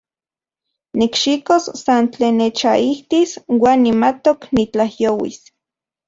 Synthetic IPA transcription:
nikʃikossant͡ɬeːnːet͡ʃaʔiht̪iswaːnːimat̪oknit͡ɬahjoːwḭs

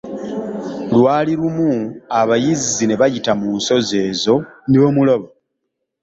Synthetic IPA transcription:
lwaːliɾumuaβajizizine̞βajitamuːnso̞ze̞ːzo̞niβo̞muloβo

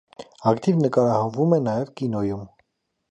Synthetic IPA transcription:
ɑkt̪ivnəkɑɾɑhɑnvumɛnɑjɛvkinɔjum

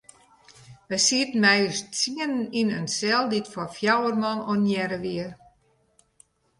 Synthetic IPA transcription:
ʋəsiətn̩mɛjst͡siənəninənsɛlˠditfɔfjawərmɔnonjɛɾəʋiər

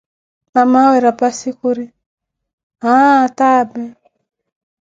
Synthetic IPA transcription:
namawɛɾapasikuɾi | ɦatabɛ

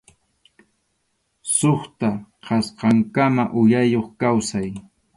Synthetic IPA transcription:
soχt̪aqʰɑsqɑŋkamaʔʊjajoχkawsaj

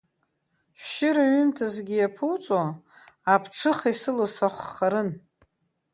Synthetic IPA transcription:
ʃʷʃɪɾaɥʏmtʰazɡʲijapʰuwt͡sʼo | apʰʈ͡ʂʰɨχisɨlosaχʷːaɾɨn

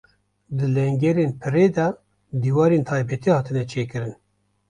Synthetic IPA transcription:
d̪ɨlɛŋɡɛɾeːnpʰɨɾeːd̪ɛ | d̪iːwɑːɾeːnt̪ʰɑːjbɛt̪ʰiːhɑːt̪ʰɨnɛt͡ʃʰeːkɨɾɨn

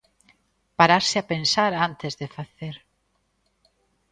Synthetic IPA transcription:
paɾaɾsɪapensaɾant̪ezðefaθeɾ

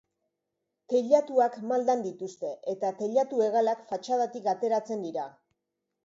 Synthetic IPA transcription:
t̪e̞ʎat̪uakmald̪and̪it̪ust̪e̞et̪at̪eʎat̪ue̞ɣalakfat͡ʃað̞at̪ikat̪e̞ɾat͡se̞nd̪iɾa

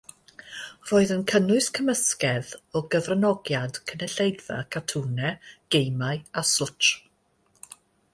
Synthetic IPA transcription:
roːɨðənkʰənʊɨskʰəməskɛðɔɡəvrənɔɡjad̥kʰənɛɬejva̰kʰatʰuːnɛɡ̥ejmaɨasʊt͡ʃ

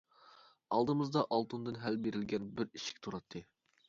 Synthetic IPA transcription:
ɑlˠd̪ɨmɨzd̪ɑʔɑlˠt̪und̪ɨnɦælbeɾɪlɡʲɛnbɪɾiʃɪ̥kʲt̪ʰuɾɑt̪ʰːɨ

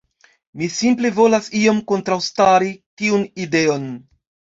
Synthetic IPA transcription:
misimple̞vo̞lasio̞mko̞ntɾawstaɾitiunide̞o̞n

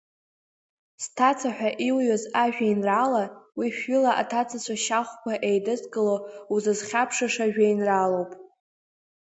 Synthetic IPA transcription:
stʰat͡sʰaħʷᶣaʔiwjozaʒᶣajnralawiʃᶣʏlaʔa̰tʰat͡sʰat͡ɕʷʰaʃaχʷkʷʰaʔejdɨsɡɨlouzɨzχʲapʰʂaʂaʒᶣajnralowpʼ

